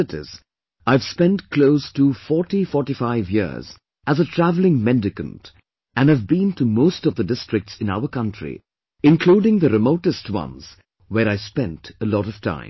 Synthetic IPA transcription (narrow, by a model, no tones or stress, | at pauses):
ɨɾɪ̰z | aɪv̥spɛ̃ntkʰloʊstufɔɹtifɔɹʈifaɪvjɪ̰ɹz | æzətʰɹ̥ævlɪ̃ŋmɛ̃ndɨkɨ̃nt | ɨ̃nɨvbĩntumoʊstʌvðədɪstɹ̥ɨk̚tsɨ̃na̰ʊəkʰʌ̃ntʰɹ̥ḭ | ɨ̃nkʰl̥uːɾɪ̃ŋðəɾɨmoʊɾɨstwʌ̰̃nz̥ | wəɹaɪspɛ̃ntəlɔɾʌv̥tʰã̰ɪ̃m